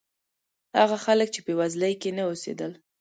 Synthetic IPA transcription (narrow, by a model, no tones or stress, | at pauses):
haɣaxalək̚t͡ʃepəwazlajkenaosḛd̪əl